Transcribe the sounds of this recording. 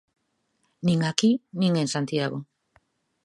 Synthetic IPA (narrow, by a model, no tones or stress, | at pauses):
niŋɡakiniŋɡe̞nsant̪iaɣo